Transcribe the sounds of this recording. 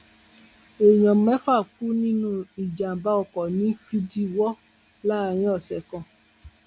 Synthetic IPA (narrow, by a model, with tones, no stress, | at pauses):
e˨j̃ɔ̃˨mɛ̃˨˦fa˦˨ku˦nĩ˦nũ˦i˨d͡ʒa˨m˨ba˦ɔ˨kɔ˨nĩ˨˦fi˧di˦wɔ˦ | la˦˧ɾ̃ĩ˦ɔ˦˨sɛ˨kɔ̃˨